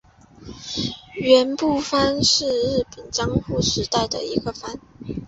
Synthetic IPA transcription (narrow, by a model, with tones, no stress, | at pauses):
ɥɛ˧˥npu˥˩fa˥nʂɻ̩˥˧ɻɻ̩˥˩pə˨˩nt͡ɕjɑ˥ŋxu˥˩ʂɻ̩˧˥t̪a˥˩ɪd̪ə̰˨˩i˧˥ɡə˧fa˥n